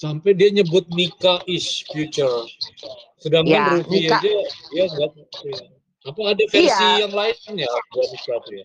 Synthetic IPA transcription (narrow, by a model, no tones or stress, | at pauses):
sampɛjdiaɲəbʊt̪̚nikaʔɪsfjut͡ʃər | sədaŋkanɾufiadadiaŋɡaʔ | ja | apaːdafɛrsijaŋlaɪnjabuadipɾapja